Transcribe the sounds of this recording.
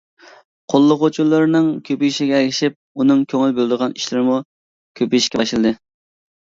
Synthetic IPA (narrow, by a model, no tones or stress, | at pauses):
qʰolˠːʊqot͡ʃʰulˠːɨɾnɨŋkʲʰøpyiʃiɡʲɛɛɡʲɪʃip̚unɨŋkʲʰøŋylbøld̪əʁɑniʃlɪɾmu | kʲʰøpijʃkʲɛɑʃlˠɨd̪ɨ